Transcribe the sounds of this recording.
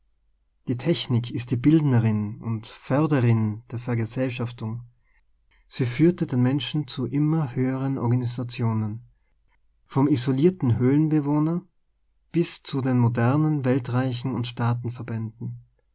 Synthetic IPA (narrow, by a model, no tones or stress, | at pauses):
d̥iːtʰɛçnɪkʰɪst̚d̥iːbɪldnəʁɪnʊntfœɐdəʁɪnd̥eːɐfɛɐɡəzɛlʃaftʊŋ | z̥iːfyːɐtədeːnmɛnʃn̩t͡suʔɪmɐhøːəʁ̞ənʔɔ̰ɐɡanizat͡sjoːnən | fɔmizoliːɐtn̩ɦøːənbəvoːnɐ | b̥ɪst͡sudeːnmodɛɐnənvɛltʁ̥aɪçn̩ʊntʃtaːtn̩fɛɐbɛndn̩